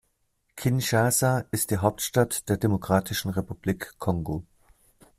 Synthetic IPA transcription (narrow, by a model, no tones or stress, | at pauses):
kʰɪnʃazaʔɪstd̥iːɦaʊptʃtatd̥eːɐdemokʁ̥aːtʰɪʃn̩ʁepub̥liːkʰːɔŋɡo